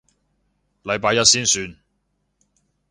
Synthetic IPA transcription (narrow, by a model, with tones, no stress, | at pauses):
lɐ˨˧jpaː˧jɐ˥t̚siː˥nsyː˧n